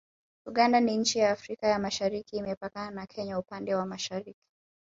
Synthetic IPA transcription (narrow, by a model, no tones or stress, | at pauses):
uɠandaniɲ̩t͡ʃijaːfɾikajamaʃaɾikiːmɛpakananakʰɛɲaupandɛwamaʃaɾiki̥